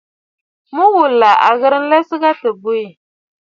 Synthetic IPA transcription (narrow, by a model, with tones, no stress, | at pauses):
mu˦wu˨lːa˨ʔa̰˨ɣɨ˦ɾɨ˦n̩˦lɛ˦sɨ˦ɡa˦tɨ˨bu˦i˨